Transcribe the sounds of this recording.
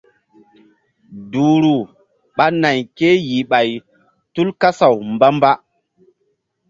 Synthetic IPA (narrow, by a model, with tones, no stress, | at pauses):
du˨ɾu˨ | ɓa˦na˨jke˦ji˨ɓa˨j | tu˦lka˦sa˨wmba˦mba˦